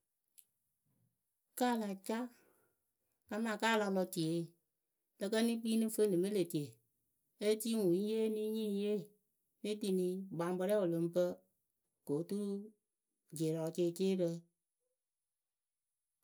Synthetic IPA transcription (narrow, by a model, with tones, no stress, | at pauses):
kaː˦˨la˨t͡ʃa˦ | ka˧maː˨kaː˦˨la˧lɔ˧ti˨e˨˦˨ | lə˧kə˦ni˦piː˦nɨ˦fə˦nɨ˨mi˦le˨ti˨e˨ | e˦ti˦ŋu˨˦je˦ni˦ɲĩ˦je˦˨ | ni˦ti˧ni˧ɡ͡ba˨˦bə˧ɾɛ˦wo˨lo˨˦m˦pə˦ | ko˨˦tu˦ | d͡ʒe˨ɾɔ˨t͡ʃeː˦˨t͡ʃeː˦ɾə˧